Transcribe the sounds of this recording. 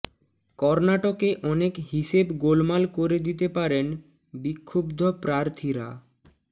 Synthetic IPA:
kɔɾnaʈokeʔɔnekɦiʃebɡolmalkoɾed̪it̪epaɾen | bikʰːobd̪ʱopɾaɾt̪ʰiɾa̰

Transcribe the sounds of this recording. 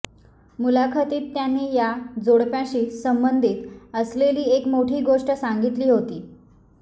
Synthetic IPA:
mulakʰət̪iːt̪ːjanːiːjad͡zoɽpjãɕiːsəmbənd̪ʱiːt̪əsleliːekmoʈʰiːɡoʂʈəsaŋɡit̪liːɦot̪iː

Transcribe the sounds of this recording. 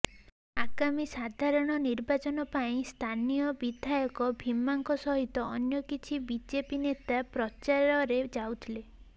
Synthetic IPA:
aɡamisad̪ʱaɾɔɽ̃ɔniɾbat͡ʃɔnɔpaĩst̪ʰanijɔbid̪ʱajɔkɔbʱimaŋkɔsɔɦit̪ɔːnjɔkit͡ʃʰibid͡ʒepinet̪apɾɔt͡ʃaɾɔɾed͡ʒawt̪ʰile

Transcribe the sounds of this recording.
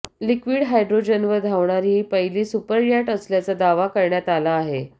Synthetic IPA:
likʋiːɽɦajɖɾod͡ʑənʋəd̪ʱaʋɳaɾiːpəjliːsupəɾjaʈəsljat͡sad̪aʋakəɾɳjat̪alaːɦe

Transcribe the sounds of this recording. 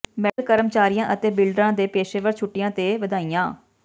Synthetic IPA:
mɛlkəɾəmt͡ʃaːɾijãːʔət̪eːbɪlɖɾãːd̪eːpeːʃeːʋəɾt͡ʃʰʊʈːɪjãːt̪eːʋəd̪aːijãː

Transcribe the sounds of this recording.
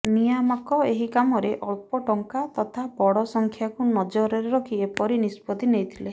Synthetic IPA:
nijamakɔeɦikamɔɾeʔɔɭpɔʈɔŋkat̪ɔt̪ʰabɔɽɔsɔŋkʰjakunɔd͡ʒɔɾɔɾeɾɔkʰiepɔɾinispɔd̪inejt̪ʰile

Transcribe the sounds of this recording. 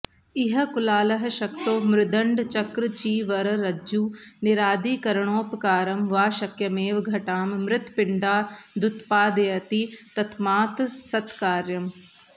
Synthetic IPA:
ɪɦɐ̆kʊlaːlɐɦʃɐkt̪oːmɾɪd̪ə̃ɳɖt͡ʃɐkɾt͡ʃiːʋɐɾɾɐd͡ʒd͡ʒuːnɪɾaːd̪iːkɐɾɳ̃oːpkaːɾɐmʋaːʃɐkjɐmeːʋɡʱɐʈaːmmɾɪt̪pɪɳɖaːd̪ʊt̪paːd̪ɐjɐt̪it̪ɐt̪ʰmaːt̪sɐt̪kaːɾjɐm

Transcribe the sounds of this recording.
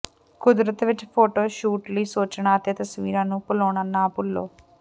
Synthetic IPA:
kud̪ɾɐt̪ɐʋiʈːpʰoːʈoːʃuːʈlisoːt͡ʃːɐɳaːt̪jɐt̪ɐsʋiːɾaːnupuloːɳɐnːaːpulːo̰ː

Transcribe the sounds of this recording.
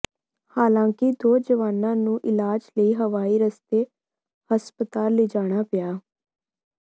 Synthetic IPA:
haːlãːkɪd̪oːd͡ʒəʋaːnãːnũːʔɪlaːd͡ʒləiːɦəʋaːiːɾəst̪eː | həspət̪aːlːeːd͡ʒaːɽ̃aːpɪjaː

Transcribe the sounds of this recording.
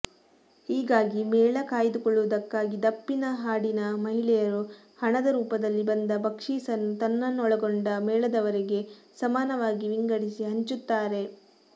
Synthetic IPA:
hiːɡaːɡimɛːɭɐkaːjd̪ukɔɭːuʋɐd̪ɐkːaːɡid̪ɐpːinɐɦaːɽinɐmɐɦiɭɛjɐɾu | hɐɳɐd̪ɐɾuːpɐd̪ɐlːibɐnd̪ɐbɐkʂiːsɐnːut̪ɐnːɐnːɔɭɐɡoɳɖɐmɛːɭɐd̪ɐʋɐɾeɡe̞ | sɐmaːnɐʋaːɡiʋiŋɡɐɽisiɦɐɲt͡ʃut̪ːaːɾe̞

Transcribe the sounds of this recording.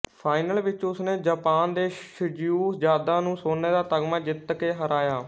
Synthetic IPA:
pʰaːɪnəlʋɪt͡ʃʊsnẽːd͡ʒaːpaːnd̪eːʃəd͡ʒjuːd͡ʒjaːd̪ãːnũːsoːnːeːd̪aːt̪əɡmãːd͡ʒɪt̪keːɦəɾaːjaː

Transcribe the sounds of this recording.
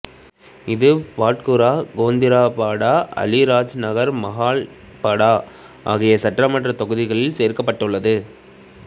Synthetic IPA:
ɪðɯpaːʈkɯɾaːɡoːnd̪ɪɾaːpaːɽaːɐ̰lɪɾaːd͡ʒnɐɣɐɾmɐɦaːɭ | pɐɽaː | ʔaːɣɪjɐsɐʈːrɐmɐʈrɐt̪ɔɣɯðɪɣɐɭɪlseːɾkɐpːɐʈːɯɭːɐðɯ

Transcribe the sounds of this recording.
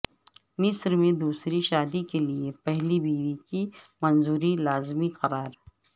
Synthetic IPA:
mɪsɾmẽd̪uːsɾiʃaːd̪ikeliepɛɦlibiːʋiki | mɐnzuːɾilaːzmiqɐɾaːɾ

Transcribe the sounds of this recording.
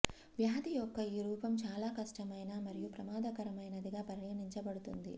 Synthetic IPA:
ʋjaːd̪ijɔkːɐiːɾuːpɐmt͡ʃaːlaːkɐʂʈɐmɐjnaːmɐɾijupɾɐmaːd̪ɐkɐɾɐmɐjnɐd̪iɡaːpɐɾnɐniɲt͡ʃɐbɐɽut̪und̪ḭ

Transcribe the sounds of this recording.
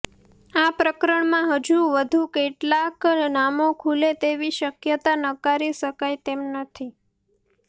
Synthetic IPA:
apɾəkəɾəɳmãɦəd͡ʒuʋəd̪ʱukeʈlaknamokʰulet̪eʋiʃəkjət̪anəkaɾiʃəkajt̪emnət̪ʰi

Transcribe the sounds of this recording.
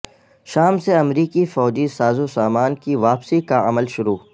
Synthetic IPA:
ʃaːmseɐmɾiːkifɔːd͡ʒisaːzusaːmaːnkiʋaːpsikaɐ̰məlʃʊɾuː

